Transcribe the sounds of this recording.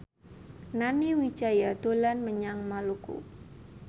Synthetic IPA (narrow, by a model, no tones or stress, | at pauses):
naniwi̥t͡ʃajad̪̥olanməɲaŋmalukṵ